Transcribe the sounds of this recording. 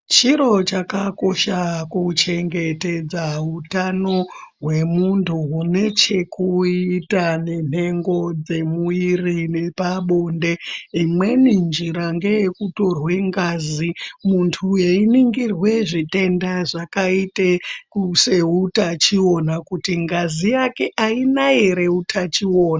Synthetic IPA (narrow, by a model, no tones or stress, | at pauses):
t͡ʃiɾo̞t͡ʃakako̞ʃakut͡ʃe̞ŋɡe̞te̞d͡zautano̞ɦwe̞muntʰuɦune̞t͡ʃe̞kuitane̞n̤e̞ŋɡo̞d͡ze̞muirine̞paɓo̞nde̞imwe̞nind͡ʒiɾaŋɡe̞jekuto̞rwe̞ŋɡaːzimuntʰujeiniŋɡirwe̞ʐite̞ndaʐakaitekuse̞utat͡ʃio̞nakutiŋɡazijake̞ʔainaeɾe̞utʰat͡ʃioːnaa